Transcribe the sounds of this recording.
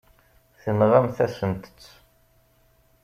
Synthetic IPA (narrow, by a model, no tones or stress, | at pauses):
θənʁamθæsənt̪ə̥t͡sː